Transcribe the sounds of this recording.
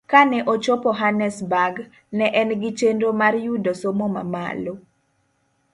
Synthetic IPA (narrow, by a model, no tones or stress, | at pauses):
kanɛʔot͡ʃɔpɔɦanɛsbaɡ | nɛʔɛnɡɪt͡ʃendomarjudosomoma̰ma̰lo